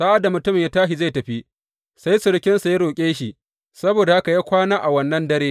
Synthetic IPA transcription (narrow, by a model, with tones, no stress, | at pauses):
sa˦ʔa˦da˨mʊ˨tʊ˦mɪ˨jaː˦taː˦ʃi˨za˦˨jtɐ˨ɸi˦ | sa˦jsɪ˨ɽkʲɪ˦nsa˦jɾoː˨kʲʼeː˦ʃi˨ʔ | sɐ˦boː˨da˨ha˦ka˨jaː˦kʷaː˦naː˦ʔa˨wɐ˦nːɐ˦ndɐ˦ɾeː˦